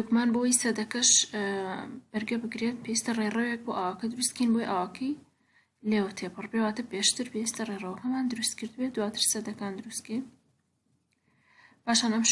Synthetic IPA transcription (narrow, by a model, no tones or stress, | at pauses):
ukmaːnbowijsɐd̪ɐkɐʃ | b̥ɐɾɡɐbɨɡɾet̪̚pʰejist̪ɐrerɐwjɛk̚boʔawaːkɐd̪ɨɾust̪̚kinbojʔawaːkʰɐj | lewt̪ʰepʰɨrbewaːt̪ɨpeʃt̪ɨɾpewist̪ɐrerɐwɐkɐmaːnd̪ɨɾust̪kɨɾd̪ɨbed̪waːt̪ʰɨɾsɐd̪ɐkaːnd̪ɨɾust̪̚kin | paːʃaːnɐmʃ